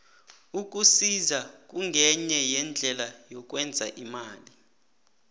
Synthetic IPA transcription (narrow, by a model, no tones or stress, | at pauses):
uk̬ʼusizak̬ʼuŋɡʱɛɲɛjɛnd͡ɮʱɛlajɔk̬ʼwɛnd͡zʱa̰ʔimaːli